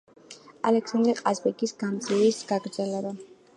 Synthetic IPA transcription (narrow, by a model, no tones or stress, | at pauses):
alɛksand̪ɾɛqʼazbɛɡisɡamd̪zivisɡ̥aɡɾd̪zɛlɛba